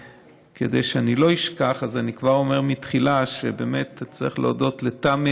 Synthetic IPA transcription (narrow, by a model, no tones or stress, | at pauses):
ked̪ejʃeanilo̞iʃkaχazanikvaʁo̞meʁmitχilaʃebeːme̞t̪t͡saʁiχleodo̞tletame